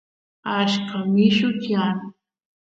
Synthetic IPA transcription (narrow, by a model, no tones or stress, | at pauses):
aʃkamɪʃʊt̪jan